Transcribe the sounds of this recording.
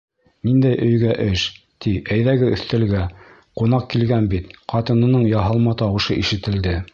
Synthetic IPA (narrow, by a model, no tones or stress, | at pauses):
nind̪æjʔɵ̆jɡæʔɵʃ | t̪iæjðæɡɘɵ̆θt̪ɘ̆lɡæ | qunɑq̚kilɡænbit̪qɑt̪ɤ̆nɤ̆nɤɴjɑɦɤlˠmɑt̪ɑwɤ̆ʃɤʔiʃɘ̆t̪ɘ̆ld̪ɘ